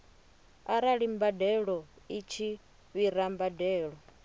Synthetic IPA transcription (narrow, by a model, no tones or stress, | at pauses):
aɾaɺimbadɛɺɔ | it͡ʃʰi | βiɾambadɛːɺɔ